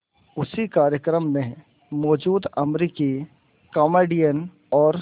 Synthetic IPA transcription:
ʊsikaːɾjəkɾəmːẽ | mɔːd͡ʒuːd̪ɐmɾiki | kɔːmeːɖijən | ɔːɾ

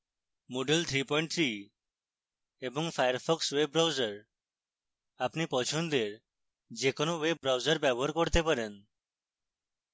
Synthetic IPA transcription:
moɖelt̪ʰɾipɔj̃ɳʈ̚t̪ʰɾi | eboŋfajaɾfʰɔksweb̚ɾawzaɾ | apnipɔt͡ʃʰond̪eɾ | d͡ʒekonoweb̚ːɾawzaɾbɛboɦaɾkoɾt̪epaɾen

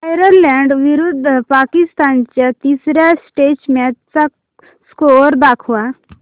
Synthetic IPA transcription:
ajɾəɾlɛːɳɖʋɪɾud̪ʱpaːkɪst̪aːnt͡ʃet̪iːsɾasʈeːt͡ʃmẽt͡sak | skooːɾd̪aːkʰua

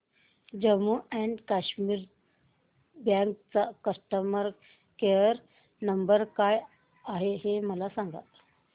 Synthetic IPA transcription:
d͡ʑəmuɛ̃ɳɖkaɕmiːɾ | bjãŋk̚t͡sakəsʈəməɾ | keəɾ | nəmbəɾkaj | aɦeɦeməlasãŋɡa̰t̪

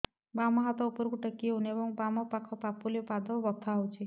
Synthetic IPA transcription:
bamɔɦat̪ɔupɔɾkuʈəkːiɦunebɔŋbamɔpakʰɔpapuliɔpad̪ɔbɔt̪ʰːaɦowt͡ʃʰi

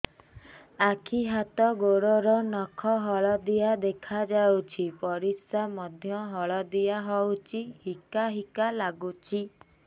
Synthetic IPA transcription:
akʰiɦat̪ɔɡoɾɔɾɔnɔkʰɔɦɔɭɔd̪ijad̪ekʰad͡ʒawt͡ʃʰipɔɾisamɔd̪ʱjɔɦɔɭɔd̪ijaɦɔwt͡ʃʰihikaɦikalaɡut͡ʃʰi

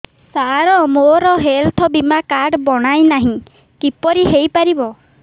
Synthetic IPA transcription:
saɾɔmoɾɔɦelt̪ʰɔbimakaɾɖbɔɽ̃ajnaɦĩ | kipɔɾiɦejpaɾibɔ

